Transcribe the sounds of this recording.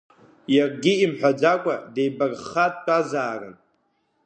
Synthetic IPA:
jarɡʲiimħʷᶣad͡ʒakʷʼadejbarχatʼtʷʼazaːrɨn

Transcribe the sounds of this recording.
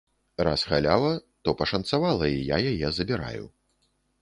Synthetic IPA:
ra̰sxalʲawˠɐt̪ɔpɐʂɐnt̪savalˠɐija̰jajɛzɐbʲiɾa̰jṵ

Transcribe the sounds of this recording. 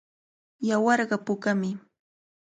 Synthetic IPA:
jawɑɾɢɑpʊkamɪ

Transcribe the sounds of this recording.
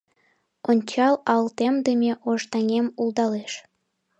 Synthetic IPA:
onʲt͡ɕɑlɑlt̪emd̪əmʲeʔoʒt̪ɑŋʲemuld̪ɑleʃ

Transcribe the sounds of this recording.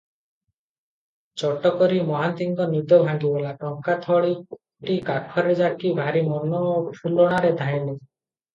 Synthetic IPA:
t͡ʃɔʈɔkɔɾimɔɦant̪iŋkɔnid̪ɔbʱaŋɡibɔlaʈɔŋkat̪ʰɔɭi | ʈikakʰɔɾed͡ʒakibʱaɾimɔnɔpʰulɔɽ̃aɾed̪ʱajle

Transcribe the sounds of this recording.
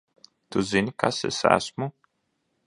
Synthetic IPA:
t̪uzinʲkasḛsæ̰smu

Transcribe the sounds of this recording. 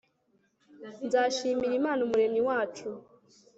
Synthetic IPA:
nzaːʃiːmiɾimaːnomuɾe̞miwaːt͡ʃu

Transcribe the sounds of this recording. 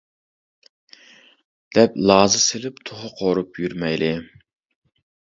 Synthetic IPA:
d̪̥ɛplˠɑːzɨselɪpt̪ʰoχʊqʰoɾupjyɾmɛjlɪ

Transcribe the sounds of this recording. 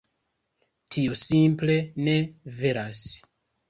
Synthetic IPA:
tʰiosimple̞ne̞ve̞ɾas

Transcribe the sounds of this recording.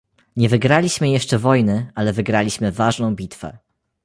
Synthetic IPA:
ɲɛvɘɡɾalʲiɕmɘjɛʂt͡ʂɛvɔjnɘalɛvɘɡɾalʲiɕmɘvaʐnɔ̃w̃bʲit̪fɛ̰

